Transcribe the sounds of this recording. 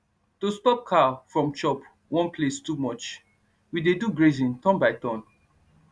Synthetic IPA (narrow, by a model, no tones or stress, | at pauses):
tostɔp̚kʰafɹɔ̃mt͡ʃɔp | wɔ̃npʰlestumɔt͡ʃ | wideduɡɹezĩntɔ̃nbaɪtɔ̃n